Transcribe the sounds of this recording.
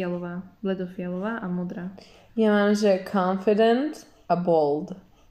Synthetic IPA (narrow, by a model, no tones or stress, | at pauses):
alɔʋaːvlɛd̪ɔfɪalɔʋaːʔamɔd̪ɾaː | jamanʒɛkʰɔ̃ɱfɪdɛ̃nt̪ | abɔlˠd̪